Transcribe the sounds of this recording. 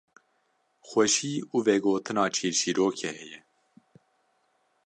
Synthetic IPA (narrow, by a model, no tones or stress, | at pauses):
xʷwɛʃiːuːvɛɡoːt̪ʰɨnɑːt͡ʃʰiːɾʃiːɾoːkʰɛhɛjɛ